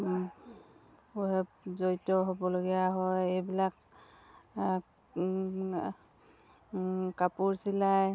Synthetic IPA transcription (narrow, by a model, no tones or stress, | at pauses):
puɦɛpzojtɔɦobɔloɡijaɦɔjejbilak | kapuɹsilaj